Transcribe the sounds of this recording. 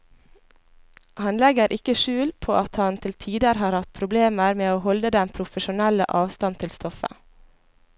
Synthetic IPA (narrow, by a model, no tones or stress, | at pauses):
ʔhɑnlɛɡəɾʔɪkəʃʉːlpʰoːʔɑt̪hɑnt̪ʰɪlt̪ʰiːd̪əɾhɑːɾhɑt̪̚pʰɾʊbleːməɾmeːoːhɔld̪əd̪ɛnpʰɾʊfəʃʊnɛlə̰ʔɑːʋst̪ɑnt̪ʰɪlst̪ɔfə̰